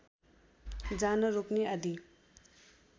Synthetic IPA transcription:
d͡zanʌɾokneɐd̪i

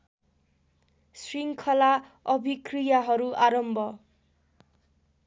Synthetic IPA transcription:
sriŋkʰʌlaʌbʱikrijaɦʌɾuaɾʌmbʱʌ

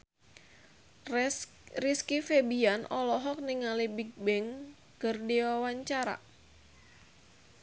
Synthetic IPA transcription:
riskifebianʔɔlɔɦɔk̚niŋalibik̚bɛŋ | kərdiwawaɲt͡ʃaɾa̰

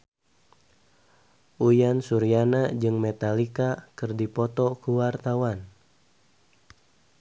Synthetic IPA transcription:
ʔujansuɾianad͡ʒɨŋmɛt̪alikakɨrdipɔt̪ɔkuwart̪awan

